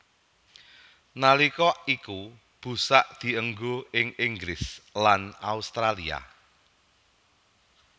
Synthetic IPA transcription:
nalikɔʔiku | b̥ṳsaʔd̪̥i̤əŋɡoɪŋɪŋɡɾɪslanaust̪ɾalia̰

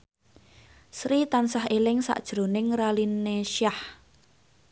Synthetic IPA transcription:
sɾit̪ansaɦelɪŋsa̰ʔd̥ʒ̥ɾo̤nɪŋralineʃah

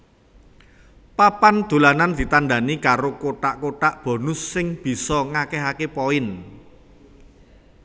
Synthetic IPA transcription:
papand̪̥ṳlanand̪̥i̤t̪anɖa̤nikaɾokoʈaʔkoʈaʔb̥ɔ̤nʊsːɪŋb̥i̤sɔŋakɛɦakepɔɪn

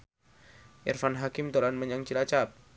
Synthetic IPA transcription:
ʔirfanɦakɪmt̪olanməɲaŋt͡ʃilat͡ʃap̚

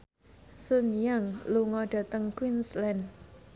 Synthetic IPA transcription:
sunjaŋluŋɔɖ̥ä̤t̪əŋkwinslɛn

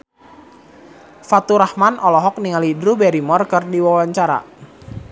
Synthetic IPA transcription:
fat̪uɾahmanʔɔlɔɦɔk̚niŋalidɾubɛɾimɔrkərdiwawaɲt͡ʃaɾa̰

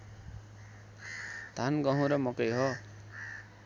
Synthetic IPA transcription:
d̪̥ʱanɡʌɦũɾʌmɔkejɦʌ

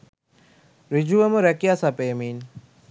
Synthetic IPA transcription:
ɾid͡ʒuɐmɐɾɐkijasapeːmiːn

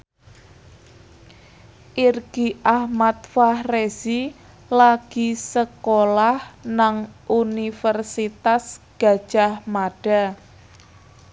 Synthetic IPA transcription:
ʔirɡ̥iʔahmat̪̚fahrezi | laɡ̥isəkolahnaŋʔunifərsit̪asɡ̥a̤̥ʒ̥ahmaɖ̥a̤

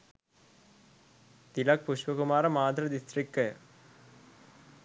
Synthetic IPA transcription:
t̪ɪlak̚pʊʂʋɐkʊmaːɾɐmaːd̪ɾɐd̪ɪst̪ɾɪkːɐ

